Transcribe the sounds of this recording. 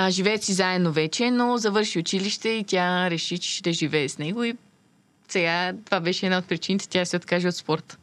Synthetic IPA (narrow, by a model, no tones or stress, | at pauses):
ʒivɛːsizaɛd̪novɛt͡ʃɛnozɐvɤɾʃiʊt͡ʃiliʃt̪ɛit̪ʲjaɾɛʃit͡ʃd̪ɐʒivɛːsnɛɡoi | sɛɡat̪ovabɛʃɛd̪naot̪̚pɾit͡ʃinit̪ɛ̥t̪ʲasɛot̪kaʒiot̪spɔɾt̪ə̥